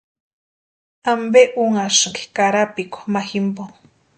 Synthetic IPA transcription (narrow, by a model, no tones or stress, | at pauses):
ambeʔuŋaʂŋke̥kaɾapikʷo̥maximboŋ